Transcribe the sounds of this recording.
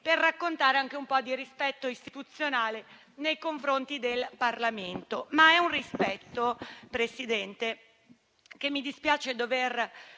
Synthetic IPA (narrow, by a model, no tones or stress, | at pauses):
perːakːont̪aːɾeaŋk̟eumpɔd̪iɾispɛt̪ːoist̪it̪ut̪sːjonaːle | nejkoɱfɾont̪id̪elparlament̪omaɛunrispɛt̪ːopɾesid̪ɛnt̪e | k̟emːid̪ispjaːt͡ʃed̪over